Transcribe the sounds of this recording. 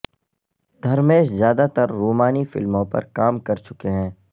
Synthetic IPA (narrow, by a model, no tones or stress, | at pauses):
d̪ʱɐɾmeːʃzjaːd̪at̪əɾːuːmaːnifɪ̰lmõpɐ̰ɾkaːmkɐɾt͡ʃʊkeɦɛ̃ː